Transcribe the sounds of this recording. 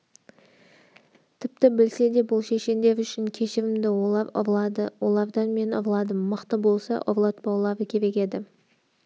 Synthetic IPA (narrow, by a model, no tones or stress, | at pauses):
t̪ʰɪp̚t̪ɪbɪlse̞d̪e̞bʊlˠʃe̞ʃe̞nd̪e̞ɾʏʃɪŋkʲʰe̞ʃɪɾɪmd̪ɪwoɑɾɑ̰ɾlˠɑd̪əwo̞lˠɑɾd̪ɑnme̞nɑɾlˠɑd̪əmːəqt̪əbo̞lˠsɑ̰ʔoɾlˠɑt̪̚bɑwlˠɑɾəkʲʰe̞ɾe̞kʲe̞d̪ɪ